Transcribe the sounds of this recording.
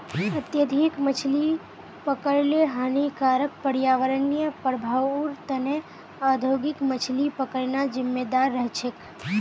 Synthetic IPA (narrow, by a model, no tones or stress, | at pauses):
ət̪jəd̪ʱikmət͡ʃʰli | pəkəɾleɦanikaɾək̚pəɽjaʋəɾənijəpɾəbʱaʋuɾt̪əne | ad̪ʱjoɡikmət͡ʃʰlipəkəɾnad͡ʒɪmːed̪aɾːəɦt͡ʃʰek